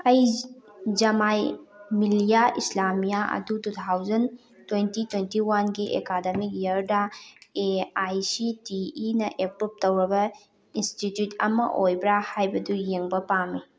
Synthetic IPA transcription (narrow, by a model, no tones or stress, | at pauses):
ɐj | d͡ʒɐmajmilijaʔislamijaɐ̰dutut̪ʰawzɐn | twentitwentiwanɡiʔḛkademik̚jɐɾdaeajsitiːnɐʔepɾup̚tɐwɾɐbɐ | institjutʰɐ̰mɐ̰ʔojbɾahajbɐdujeŋbɐpamːi